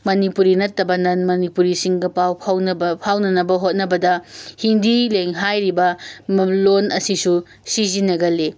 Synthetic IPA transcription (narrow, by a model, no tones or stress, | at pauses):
mɐnipuɾinɐtːɐbɐnɐnmɐnipuɾisiŋɡɐpawʰapʰawnɐnɐbɐɦot̚nɐbɐdɐhindileŋɦajɾibɐmlonɐsisu | sizinɐɡɐle